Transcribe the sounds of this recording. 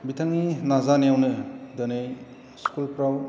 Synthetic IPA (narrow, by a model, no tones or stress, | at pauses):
bitʰaŋinazanejawnɯdɯnej | skulpɾaw